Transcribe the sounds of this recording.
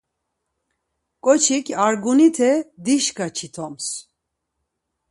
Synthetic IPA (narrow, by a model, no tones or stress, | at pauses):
kʼɔt͡ʃʰikʲʰaɾɡunit̪ʰɛd̪iʃkat͡ʃʰit̪ʰɔms